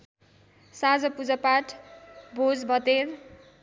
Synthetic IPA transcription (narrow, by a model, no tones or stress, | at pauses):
sad͡zʌpud͡zʌpaʈʰbʱod͡zbʱʌt̪er